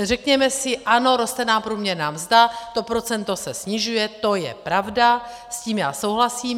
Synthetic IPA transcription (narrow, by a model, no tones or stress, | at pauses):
r̝ɛkɲɛmɛsɪʔano̞ɾo̞st̪ɛnaːmpɾuːmɲɛɾnaːmzd̪at̪o̞pɾo̞t͡sɛnt̪o̞sɛsɲɪʒujɛt̪o̞jɛ̰pɾavda | sciːmjaːso̞wɦlasiːm